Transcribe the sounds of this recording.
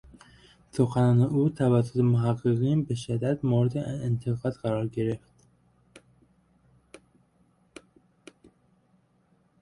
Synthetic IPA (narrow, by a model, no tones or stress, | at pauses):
soxænɒːneʔuːt̪ʰævæsːot̪ʰemoɦæɡːeɣiːnbeʃed̪æd̪moɾed̪eent̪ʰeɣɑːd̪̥ɢæɾɒːɾɡeɾe̞ft̪